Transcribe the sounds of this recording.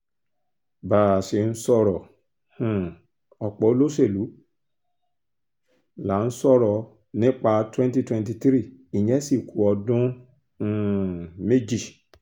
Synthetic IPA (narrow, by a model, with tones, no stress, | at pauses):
baː˨se˨n̩˦sɔ˦˨ɾɔ˨ | h̩˨ | ɔ˨k͡pɔ˨˦lo˦se˦˨lu˨˦ | la˨˦n̩˦sɔ˦˨ɾɔ˨ | nĩ˦k͡pa˧twɛ̃˦n˦ti˧twɛ̃˧nt̬i˧t̪ɾi˦˨i˨jɛ̃˦si˦˨kʰu˨ɔ˧dũ˦˨ | me˦d͡ʒi˦˨